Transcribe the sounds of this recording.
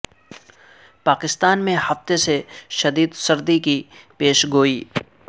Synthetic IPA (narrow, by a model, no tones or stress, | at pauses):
paːkɪst̪aːnmẽhɐft̪eseʃɐd̪iːd̪sɐɾd̪ikipeːʃɡoːiː